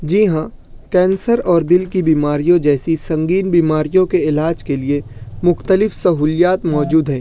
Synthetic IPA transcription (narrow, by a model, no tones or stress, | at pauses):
d͡ʒiːɦã | kɛ̃ːnsəɾɔːɾd̪ɪlkibiːmaːɾijõd͡ʒɛːsisɐ̃ŋɡiːnbiːmaːɾijõkeɪlaːd͡ʒkeliemʊxt̪əlɪfsɐɦuːljaːt̪mɔːd͡ʒuːd̪ɦɛ̃ː